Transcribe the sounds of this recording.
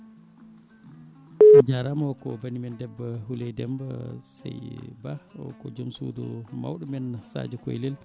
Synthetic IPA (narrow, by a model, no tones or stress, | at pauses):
ad͡ʒaɾamɔkɔbanimɛndɛbːahulɛjdɛmba̰sɛ̰jbaɔ̰kɔd͡ʒomsṵdṵma̰wɗɔmɛnːasa̰d͡ʒɔko̰jlɛl